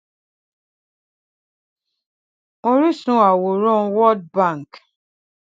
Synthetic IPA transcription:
o˦ɾi˦sũ˨˦a˨wo˨ɾɔ̃˦wɔ˦d̚bã˦˨ŋ˨k

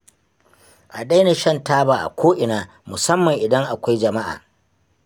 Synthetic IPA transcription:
ʔa˨ɗa˦jna˨ʃɐ˦ntaː˦baː˨ʔa̰˨kʷʰoː˦ʔɪ˨naː˦ | mʊ˨sɐ˦mːɐ˨ŋʔɪ˨dɐ˦ŋʔa˨kʷa˦jd͡ʒɐ˨ma˦ʔa̰ː˨

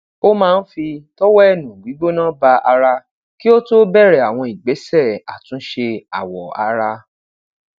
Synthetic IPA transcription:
o˦mãː˦˧n̩˦fi˧tɔ˦wɔ˦ɛ˦˨nũ˨ɡ͡bi˨˦ɡ͡bo˦nã˦ba˧ʔa˧ɾa˧ | ki˦o˦to˦bɛ˦˨ɾɛ˨a˨w̃ɔ̃˧˨i˨ɡ͡be˨˦sɛ˦˨a̰˨tũ˨˦ʃe˧a̰˨wɔ˨a̰˧ɾa˧

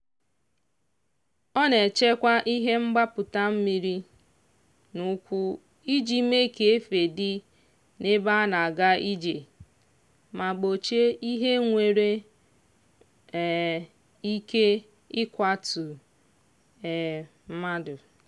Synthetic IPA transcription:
ɔ˦ne˨t͡ʃe˦kʷa˦ʔi˦ɦe˦ŋ͡m̩˦ɡ͡ba˦pʊ˨ta˦m̩˦mi˦ɾi˦ | nu˦kʷu˦ | i˦d͡ʒi˦me˦ke˨e˦fe˨dɪ˦ | ne˦ba˦na˨a˨ɡa˦i˦d͡ʒe˨ | ma˨ɡ͡bo˨t͡ʃe˦i˦ɦe˦ŋʷe˨ɾe˦˨ | i˦ke˦ | ɪ˦kʷa˦tʊ˨ | ɛ˨ | m̩˦ma˦dʊ˨

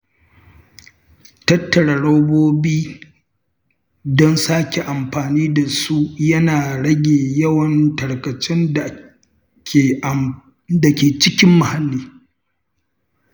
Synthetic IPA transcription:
tɐ˦tːɐ˨ɽa˨ɽɐ˦boː˦biː˦ | dɔ˦nsaː˦kʲe˨ʔa˨mɸaː˨niː˦da˨su˦jɐ˦naː˨ɽɐ˦ɡʲeː˨jɐ˦wɐ˨ntɐ˨ɽkɐ˨t͡ʃɛ˦na˨ | kʲe˨ | da˨kʲeː˨t͡ʃɪ˦kʲɪ˦mːa˨ha˦lːiː˦

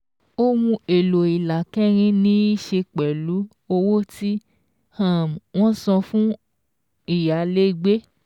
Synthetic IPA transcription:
o˦wũ˧e˨lo˨i˨la˨kɛ˦ɾ̃ĩ˦nĩ˦i˦ʃe˧k͡pɛ˨lu˨˦ | o˧wo˦ti˦ | hã˦˨m˨w̃ɔ̃˦sɔ̃˧fũ˦ | i˦˨ja˨˦le˦˧ɡ͡be˦

